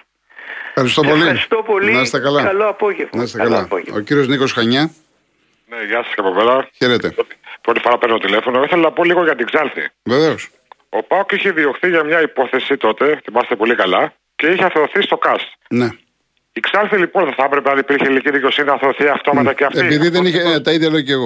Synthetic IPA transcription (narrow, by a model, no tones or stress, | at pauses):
fxɐɾist̪opoliist̪opolinɐst̪ekɐlɐkɐloɐpoʝevnɐist̪ekɐlɐo̰ciɾiozniko̞sxɐɲɐ | neʝɐsɐ̥sceɐpo̞peɾɐçeɾet̪ḛpɾot̪ifo̞ɾɐpeɾnot̪ot̪ile̞fonoiθelonɐpo̞liɣo̞ʝɐt̪iɡzɐlθḭveveos | o̞pɐokiçeðioxθiʝɐmɲɐipo̞θe̞sit̪o̞t̪e̞θimɐst̪epo̞likɐlɐ | ce̞içeɐθeoθist̪o̞kɐst̪ne | iɡzɐlθilipo̞nðeθɐepɾepeɐnipiɾçeiliciðiceosininɐθeθiɐft̪o̞mɐt̪ɐceɐfteipiðiðeniçet̪ɐiðeloceɣo